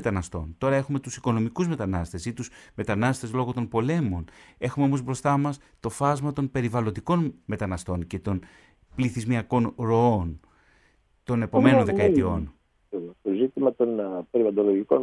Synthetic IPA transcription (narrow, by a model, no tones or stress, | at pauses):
t̪ɐnɐst̪o̞̰nt̪o̞ɾɐe̞xume̞t̪usiko̞no̞mikuzme̞t̪ɐnɐst̪e̞sit̪usme̞t̪ɐnɐst̪e̞zlo̞ɣo̞t̪onpo̞le̞mo̞ne̞xumeomo̞zbɾo̞st̪ɐmɐs | t̪o̞fɐzmɐt̪o̞npe̞ɾivɐlo̞nd̪iko̞nme̞t̪ɐnɐst̪o̞nce̞t̪o̞n | pliθizmiɐko̞nɾo̞o̞n | t̪o̞ne̞pome̞no̞nðekɐet̪io̞n | t̪ozit̪imɐt̪o̞npeɾivɐd̪oloʝikon